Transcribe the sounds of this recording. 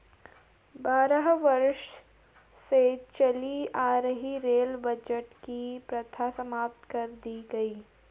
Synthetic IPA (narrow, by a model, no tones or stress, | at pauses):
baːɾəɦʋɐɾʃ | set͡ʃɐliaːɾəɦiɾeːlbɐd͡ʒəʈkipɾɐt̪ʰasɐmaːp̚t̪kɐɾd̪iɡɐiː